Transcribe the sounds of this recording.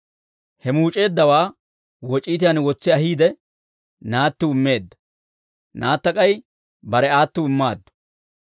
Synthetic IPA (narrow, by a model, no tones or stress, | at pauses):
hɛmuːt͡ʃʼe̞ːd̪ːɐwaː | wɔt͡ʃʼiːt̪̬ɪjɐnwɔt͡sːɪɐɦiːd̪ɛ | naːt̪ːʊɪmːe̞ːd̪ːɐ̥ | naːt̪ːɐkʼɐj | bɐɾɛaːt̪ːʊɪmːaːd̪ːʊ̥